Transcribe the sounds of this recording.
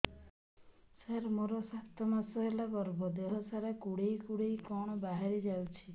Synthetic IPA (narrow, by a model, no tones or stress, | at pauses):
saɾmoɾɔsat̪ɔmasɔɦelaɡɔɾbɔd̪eɦɔsaɾakuɽejkuɽejkɔɽ̃ɔbaɦaɾid͡ʒawt͡ʃʰi